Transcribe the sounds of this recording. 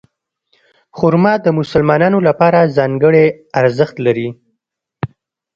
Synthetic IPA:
xʊɾmɑd̪əmʊsəlmɑnɑnolapɑɾazɑŋɡəɽeaɾzəxt̪laɾi

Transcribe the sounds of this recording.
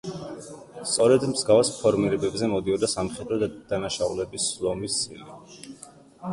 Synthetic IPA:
st̪sʼɔɾɛd̪mzɡavspʰɔɾmiɾɛbɛbzɛmɔd̪iɔd̪asamχɛd̪ɾɔd̪̥anaʃaulɛbiszɔmist̪sʼḭli

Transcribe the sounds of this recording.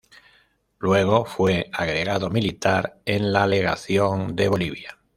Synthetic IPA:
lwe̞ɣ̞o̞fweaɣɾe̞ɣaðomilit̪aɾenlale̞ɣaθjo̞nd̪e̞βo̞liβja

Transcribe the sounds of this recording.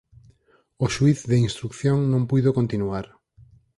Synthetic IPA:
oʃuiθðeinst̪ɾukθjoŋnõmpujðokont̪inuaɾ

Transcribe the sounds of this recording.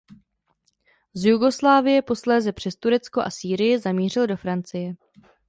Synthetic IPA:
zjuɡo̞slaːvɪjɛpo̞slɛːzɛpr̝̥ɛst̪uɾɛt͡skoʔa̰siːɾɪjɪzamiːr̝ɪldo̞fɾant͡sɪjɛ

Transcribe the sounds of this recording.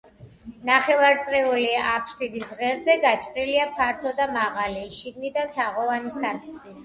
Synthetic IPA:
naχɛvaɾt̪sʼɾɛuliapʰsid̪isʁɛɾzɛɡat͡ʃʼqʼɾiliapʰaɾt̪ʰɔd̪amaʁaliʃiɡnid̪ant̪ʰaʁɔvanisaɾkʼi

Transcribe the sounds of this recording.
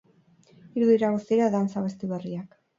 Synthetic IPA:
iɾuðiɾaɣust̪iɾaðant͡saβest̪iβeriak

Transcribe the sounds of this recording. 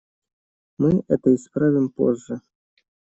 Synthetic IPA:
mɨɛt̪ɐispɾavʲimpɔ̰zːɐ

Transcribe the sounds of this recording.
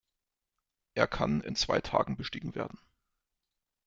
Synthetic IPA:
ʔeːɐkʰanɪ̰nt͡sv̥a̰ɪtʰa̰ːɡŋ̩bəʃtiːɡŋ̩vḛːɐdn̩

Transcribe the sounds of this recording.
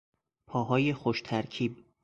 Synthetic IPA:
pʰɒːɦɒːjexoʃt̪ʰæɾcʰiːb

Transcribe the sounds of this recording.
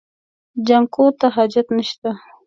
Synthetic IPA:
d͡ʒaŋkot̪aɦad͡ʒat̪nəʃt̪a

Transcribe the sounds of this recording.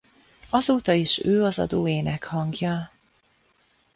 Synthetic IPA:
ɒzoːt̪ɒiʃøːɒzɒ̰d̪oːeːnɛkhɒŋɡjɒ

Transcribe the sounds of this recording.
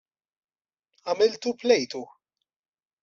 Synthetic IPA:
ɐmɪlt̪uplɛjt̪u

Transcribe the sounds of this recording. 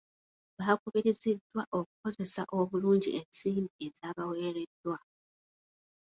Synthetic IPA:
βakuβiɾizidːwaʔo̞ku̥ko̞ze̞sa̰ʔo̞βuluːɲɟḭʔensiːmbie̞zaːβawe̞ːɾe̞d̥ːwa

